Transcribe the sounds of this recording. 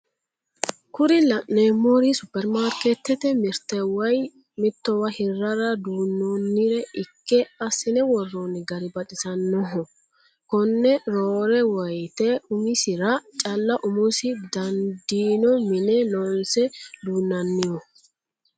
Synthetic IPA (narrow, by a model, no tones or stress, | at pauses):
kʊɾɪlɐʔnemːoɾisʊpːɛɾmaːɾkɛt̪ːɛt̪ɛmɪɾt̪ɛwɐj | mɪt̪ːɔwɐhɪrːɐɾɐd̪uːnːonːɪɾɛʔɪkːɛɐsɪnɛwɔrːonɪɡɐɾɪbɐt̪ʼɪsɐnːɔɦɔ | kɔnːɛɾoːɾɛwɐjt̪ɛʊmɪsɪɾɐt͡ʃʼɐlːɐʔʊmʊsɪd̪ɐnd̪iːnɔmɪnɛlɔnsɛd̪uːnːɐnːɪjɔ